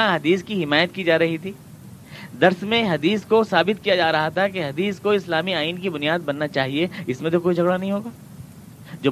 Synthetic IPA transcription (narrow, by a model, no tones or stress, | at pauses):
aɦɐd̪iːskiɦɪmaːjət̪kid͡ʒaːɾɐɦit̪ʰiː | d̪ɐɾsmẽɦɐd̪iːskosaːbɪt̪kijad͡ʒaːɾɐɦat̪ʰakeɦɐd̪iːskoɪslaːmiaːiːnkibʊnijaːd̪̚bɐnːat͡ʃaːɦieɪsmẽt̪̬okoːid͡ʒʱɐɡɽanɐɦĩɦoːɡaː | d͡ʒoː